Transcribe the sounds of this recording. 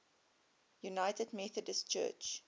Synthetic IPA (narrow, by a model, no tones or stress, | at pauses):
junaɪtədmɛθədəstt͡ʃɜ̰ːt͡ʃ